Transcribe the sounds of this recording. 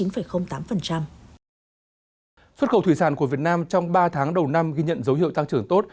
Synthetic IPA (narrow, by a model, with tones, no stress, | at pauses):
i˨˦nfə˨˩jxə˧wŋ͡mt̪aː˨˦mfə˨˩nt͡ɕa˧m | swə˦˥t̚xə˧˩wt̪ʰwi˧˩saː˧˩nku˧˩əvi˨˩ət̚naː˧mt͡ɕɔ˧wŋ͡mɓaː˧t̪ʰaː˨˦ŋɗə˨˩wna˧mɣi˧ɲə̰˧˨nzə˨˦whi˧˨wt̪a˧ŋt͡ɕɨ˨˩əŋt̪o˦˥t̚